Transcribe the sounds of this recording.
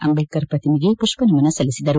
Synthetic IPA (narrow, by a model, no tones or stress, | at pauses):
ɐmbekːɐɾpɐt̪imiɡepuʂpɐnimɐnɐsɐlisid̪ɐɾu